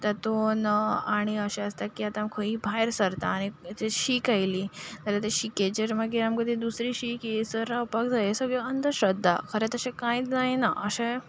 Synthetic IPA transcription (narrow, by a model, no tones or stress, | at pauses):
t̪at̪onəaɽ̃iəɕẽəst̪akiat̪amkʰoibʱajɾsəɾt̪a̰ːɽ̃it̪eɕiːkajliːt̪əɾat̪eɕiked͡ʑəɾməɡeamkəd̪id̪usɾiːɕiːkiesəɾaupakd͡zajesəɡɭeənt̪əɕəd̪ʱːa̰kʰəɾɛt̪əɕẽkãit͡sd͡zajnaʔəɕẽ